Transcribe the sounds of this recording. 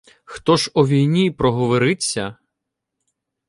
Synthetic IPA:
xt̪ɔʒɔʋʲijnʲipɾɔɦɔʋɔɾɪt͡sʲːɐ

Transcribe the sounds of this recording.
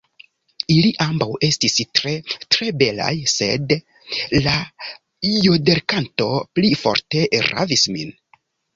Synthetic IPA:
iliʔambawe̞stistɾetɾe̞be̞la̰jse̞d | la | jode̞ɾkanto̞plifo̞̰ɾte̞ɾa̰vismḭn

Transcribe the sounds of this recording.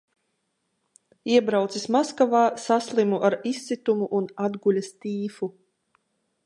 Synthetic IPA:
iɛbɾawt̪sismaskavaːsaslˠimuʔaɾisːit̪umuʔnad̪ɡulʲast̪iːfu

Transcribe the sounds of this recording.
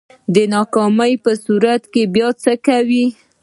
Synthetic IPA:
d̪ənɑkɑməjpəsuɾat̪kebjɑt͡səkawi

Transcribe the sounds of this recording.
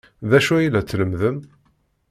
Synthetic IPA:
ðæʃuæjilːæt͡sːləmðəm

